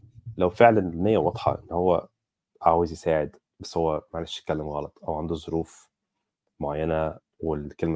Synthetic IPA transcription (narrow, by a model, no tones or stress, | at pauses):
læwfeʕlænmejːæwɑd̪ˤħɑ̰ʔḛnːhowːæ̰ | ʔaʕawːezjesæːʕed̪ | bæsːhowːæmæʕaleʃj̚kːælːemɣɑlɑt̪ˤʔæwʕand̪uzˤoɾuːf | moʕajːænæ | wekelmæ